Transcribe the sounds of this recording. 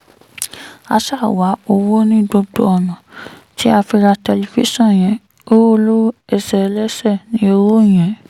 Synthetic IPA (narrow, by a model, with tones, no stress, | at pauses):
a˧sa˦˨wa˨˦o˧wo˦nĩ˦do˧ɡ͡bo˧˦ɔ˨nã˨ | ti˦a˧fi˧ɾa˧tɛ˧li˧fḭ˦sɔ̃˦˨j̃ɛ̃˨ | o˦wo˦lo˦ɛ˧sɛ˧lɛ˦sɛ˦˨nĩ˦o˧ɾo˦˨j̃ɛ̃˨˦